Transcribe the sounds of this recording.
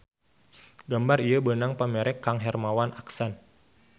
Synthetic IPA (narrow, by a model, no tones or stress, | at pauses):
ɡambariabənaŋpəmɛɾɛkːaŋɦɛrmawanʔaksan